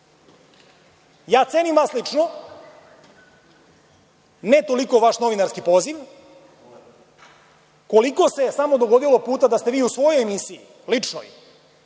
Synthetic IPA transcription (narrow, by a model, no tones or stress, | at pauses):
jaːt̪senimʋaslit͡ʂno | net̪o̞liko̞ʋaʃno̞ʋinaɾskipo̞ːziʋ | ko̞liko̞sesamo̞d̪oɡo̞d̪ilo̞puːt̪ad̪ast̪e̞ʋiːusʋo̞jojemisii | lit͡ʂno̰j